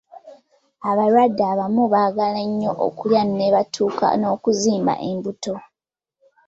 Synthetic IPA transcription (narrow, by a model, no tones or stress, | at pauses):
aβaɾwadːaβamuβaːɡaleɲːo̞ʔo̰kuljanneβatʰuːka̰no̞ːkuziːmba̰ʔembuto̞